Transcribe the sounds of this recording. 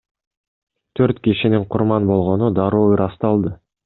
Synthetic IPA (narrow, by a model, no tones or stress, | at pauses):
t̪ʰøɾt̪kʲiʃinɪɴqʰʊɾmɑnbo̞lˠʁo̞nud̪ɑɾuːɾɑst̪ɑlˠd̪ə